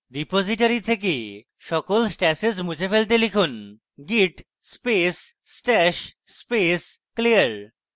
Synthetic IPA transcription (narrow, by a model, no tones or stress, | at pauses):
ɾipod͡ʑiʈaɾit̪ʰek̬e | ʃɔkolsʈɛsesmud͡ʑʰefelt̪̬elikʰun | ɡiʈ | spes | sʈɛʃ | spes | kliaɾ